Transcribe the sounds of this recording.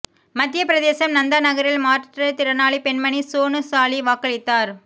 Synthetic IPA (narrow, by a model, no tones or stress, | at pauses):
mɐt̪ːɪjɐpɪɾɐðeːsɐmnɐnd̪ɐnɐɣɐɾɪlmaːɾʈrɐt̪ɪɾɐnaːɭipɛɳmɐɳisoːnɯsaːliʋaːkːɐɭɪt̪ːaːɾ